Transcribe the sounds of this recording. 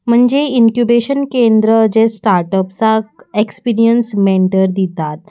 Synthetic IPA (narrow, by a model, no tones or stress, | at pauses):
m̤əɳd͡zeiŋkjubeɕənkend̪ɾəd͡zesʈaɾʈəpsaekspiɾijənsmeɳʈəɾd̪it̪at̪̚